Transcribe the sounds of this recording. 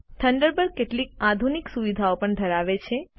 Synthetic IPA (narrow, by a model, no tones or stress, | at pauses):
t̪ʰəɳɖəɾbəɾkeʈlik̚ad̪ʱuniksuʋid̪ʱaopəɳd̪ʱəɾaʋet͡ʃʰe